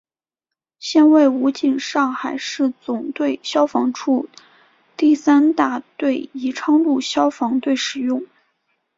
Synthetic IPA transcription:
ɕjɛ˥˧nwe˥˩ɪu˧˥t͡ɕi˥˩nʂɑ˥˩ŋxa˨˩ɪʂɻ̩˥˩t͡sʊ˨˩ŋt̪we˥˩ɪɕjɑ˥ʊfɑ˧˥ŋʈ͡ʂʰu˥ | t̪i˥˩sa˥nt̪a˥˩t̪we˥˩ɪi˧˥ʈ͡ʂʰɑ˥ŋlu˥˩ɕjɑ˥ʊfɑ˧˥ŋt̪we˥˩ɪʂɻ̩˨˩jʊ˥˩ŋ

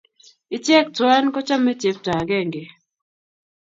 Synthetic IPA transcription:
ɪ˨˦t͡ʃjɛ˦˨k̚twa˦nkɔ˦t͡ʃa˦me˦te˨p̚ta˨ɡɛ˦˨ŋɡe˨

